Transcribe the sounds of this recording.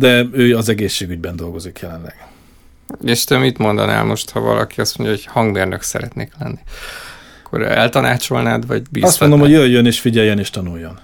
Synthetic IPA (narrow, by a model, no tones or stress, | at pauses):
d̪ɛøːɒzɛɡeːʃːeːɡyɟbɛnd̪o̞lɡo̞zikjɛlɛnlɛɡ̥ | eʃt̪ømit̪mo̞nd̪ɒna̰ːlmo̞ʃt̪hɒvɒ̰lɒ̰kiɒst̪moɲɟɒoɟhɒŋɡmeːrnøksɛɾɛt̪neːklɛnːiɒkʰːo̰ɾɛ̰lt̪ɒnaːt͡ʃo̞lnaːd̪vɒɟbiːɒst̪mnd̪ohojøjjøneːʃfiɟɛjːɛneːʃt̪ɒnujːo̞n